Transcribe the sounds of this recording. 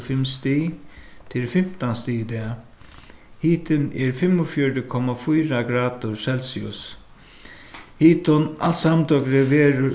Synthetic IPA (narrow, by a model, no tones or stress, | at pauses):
fɪmst̪it̪ʰɪlfɪm̥t̪anst̪iːd̪ɛ | hiːt̪ʰɪnɛɾfɪmʊfjɔɾəkʰɔmafujɾaɡɾaːd̪ʊɾsɛlsɪʊ̰s | hiːt̪ɔnasamt̪ɔɡɾɛʋeːɾə